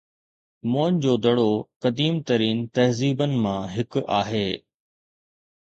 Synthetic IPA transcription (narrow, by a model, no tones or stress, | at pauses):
moːnd͡ʑoːd̪ɐɽokɐd̪iːmt̪ɐɾiːnt̪ɐɦziːbənɪ̆mãɦɪkaːɦeː